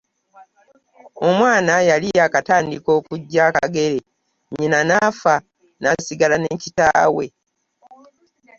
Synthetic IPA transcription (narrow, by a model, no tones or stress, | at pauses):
o̞mwaːnajaliakataːndiko̞ːkuɟːaka̰ɡe̞ɾe | ɲinanafa | nasiɡalanecita̰ːwe̞̰